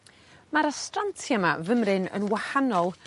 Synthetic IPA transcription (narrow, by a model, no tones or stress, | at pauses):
maɾastrantʰjamavəmrɨnə̰nwahanɔlˠ